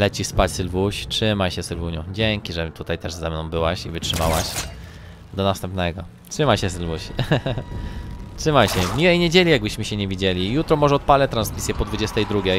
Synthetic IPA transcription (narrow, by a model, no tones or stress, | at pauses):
lɛt͡ɕispat͡ɕsɘlvuɕtʂɘmajɕɛsɘlvuɲɔ̃d͡ʑeŋkʲiʐɛt̪ut̪ajt̪ɛʐzɛmnɔ̃w̃bɘwaɕḭvɘtʂɘmawaɕ | d̪ɔnast̪ɛ̃mpnɛɡɔ | tʂɘmajɕɛsɘlvuɕ | tʂɘmajɕɛmʲiwɛjɲed͡ʑelʲijaɡ̚bɘɕmɘɕɛɲevʲid͡ʑelʲijut̪ɾɔmɔʐɛɔt̪̚palɛt̪ɾansmʲisʲjɛpɔd̪vud͡ʑɛst̪ɛjd̪ɾuɡʲjɛj